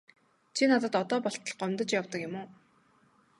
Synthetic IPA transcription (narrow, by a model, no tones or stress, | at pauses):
t͡ɕʰinat̪ə̆t̪ɔt̪ɔːpɔɬt̪ə̆ɮɢœmt̪ə̆t͡ɕjawt̪ə̆kjɪ̆moː